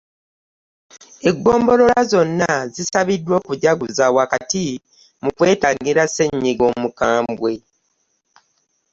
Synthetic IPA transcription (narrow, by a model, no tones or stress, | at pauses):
e̞ɡːo̞ːmbo̞lo̞lazo̞nːazisaβidːwo̞ːkuɟaɡuzawakati | mukwe̞ːtaːŋɡiɾase̞ɲːiɡo̞mukaːmbwe̞